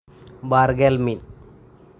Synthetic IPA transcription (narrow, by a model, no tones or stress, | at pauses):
baɾɡelmin